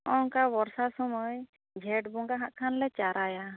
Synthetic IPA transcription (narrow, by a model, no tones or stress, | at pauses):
ɔŋkabɔɾsasɔmɔj | d͡ʒʱɛʈbɔŋɡaɦaʔkʰanlɛt͡ʃaɾaja